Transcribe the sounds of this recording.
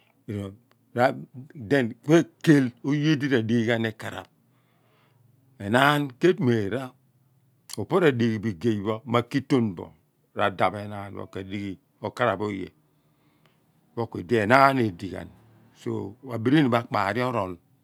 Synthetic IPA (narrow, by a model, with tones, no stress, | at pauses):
e˨ɾo˨ | ɾa˦de˦˨nk͡pe˦ke˦lo˦je˦di˦ɾa˨di˦i˦ɡa˦ne˦ka˨ɾa̰˨p̚ | e˨na˦nke˦tme˨ɾa˦ | o˨po˦ɾa˨di˨ɡi˨bi˨ɡe˨bo˦ma˨ki˦to˦nbɔ̰˨ | ɾa̰˨da˨be˨na˦n˦wo̰˨ke˨di˦ɡi˨ | o˨ka˦ɾa˨bo˦jḛ˨ | wo˦kʷːe˨di˦e˨na˦ne˨di˨ɡa̰˨n | so̰˦˨a˨bi˨ɾi˦ni˨ba˦˨k͡pa̰ː˨ɾi˦o˦ɾo˨l